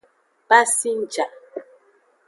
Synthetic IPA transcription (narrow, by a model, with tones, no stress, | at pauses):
pa˦si˦n̩˨t͡ʃa˨ʔ